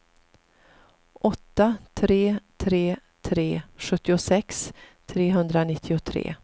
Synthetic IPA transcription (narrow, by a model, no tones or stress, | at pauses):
ʔɔt̪ːat̪ʰɾeːt̪ʰɾeːt̪ʰɾeːɧɵt̪ːɪʊsɛkst̪ʰɾeːɦɵnd̪ɾanɪt̪ʰːɪʊt̪ʰɾḛː